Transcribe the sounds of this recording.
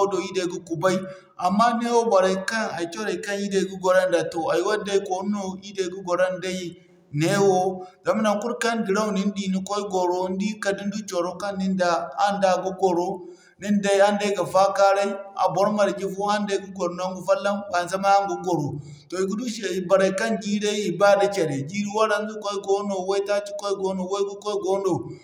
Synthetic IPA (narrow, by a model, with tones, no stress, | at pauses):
do˨i˦da˨i˨ɡu˦ku˨ba˦i˨ | a˨mːa˦ne˦wo˦ba˨ɾa˨i˦ka˦na˨i˨t͡ʃo˦ɾa˨i˨ka˦nji˦da˨i˨˦ɡu˦ɡo˨ɾa˦nda˨to˨a˨ji˦wa˦da˦i˦ko˨˦no˦i˦da˨i˨˦ɡu˦ɡo˨ɾa˦nda˦i˦ | ne˦wo˦za˨m˦na˨ŋku˦ɾka˦nɡi˨ɾa˦wni˦n˦di˦˨ni˨ko˦i˦ɡo˨ɾo˦n˦di˦ka˨di˦n˦du˦t͡ʃo˨ɾo˦ka˦nːi˦nda˨a˦nda˨ɡu˦ɡo˨ɾo˦ | ni˦nda˦i˦a˦nda˦ɡa˨fa˦ka˦ɾa˦i˦a̰˨bo˨˦ɾma˨ɾɡi˦fu˦a˦nda˨ɡu˦ɡo˨ɾo˨na˦ŋɡu˨fa˦lːa˦mba˨n˨za˦ma˦a˦ŋɡu˨˦ɡo˨ɾo˨ | to˨i˨ɡu˦du˦ʃe˨i˨ba˨ɾa˨ka˦nd͡ʒi˦ɾe˦i˨ba˦˨da˨t͡ʃe˨ɾe˨d͡ʒi˦ɾi˦wa˦ɾa˦n˦ɡu˦ko˦i˦ɡo˦no˨we˦i˦ta˦ti̥˦ko˦i˦ɡo˦no˨we˦ɡu˦ko˦i˦ɡo˦no˨